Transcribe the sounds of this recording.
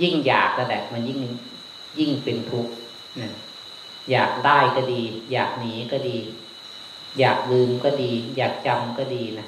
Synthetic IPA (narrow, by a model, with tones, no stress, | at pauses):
ji˥˩ŋjaː˨˩k̚na˧˩lɛ̰˨˩ma˧nji˥˩ŋ | ji˥˩ŋpe˧nt̪ʰu˦˥k̚ | na˧˦ | jaː˨˩k̚daː˥˩jkɔ˧˩diː˧ja̰ː˨˩k̚niː˩˦kɔ˥˩diː˧ | jaː˨˩k̚lɯː˧mkɔː˥˩diː˧jaː˨˩k̚t͡ɕa˧mkɔ˥˩diː˧na˦˥